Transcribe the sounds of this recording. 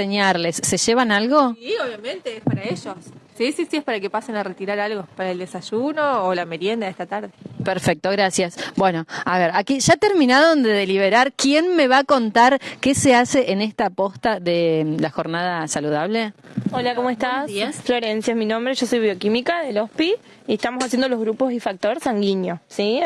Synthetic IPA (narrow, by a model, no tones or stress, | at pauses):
seɲaɾle̞sːe̞ʒeβanalɣo̞ioβjamẽnt̪eespaɾaeʒossisisiehpaɾakepasenaret̪iɾaɾalɣopaɾaeld̪esaʒunoːlame̞ɾjend̪aest̪at̪aɾðepeɾfek̚t̪o̞ɣ̞ɾasjasbwe̞noaβeɾakiʒ̥at̪eɾmĩnaðond̪eðeliβ̞eɾaɾkje̞nme̞βako̞nt̪aɾke̞sease̞ʔenest̪apo̞st̪aðelaxo̞ɾnaðasaluð̞aβ̞le̞olakomoest̪asasflo̞ɾensjoesminõ̞mbɾeʒo̞so̞jβjo̞kimikaðelohpi | ieht̪amosasjend̪oloɣɾupo̞sifak̚t̪o̞ɾsaŋɡiɲjosi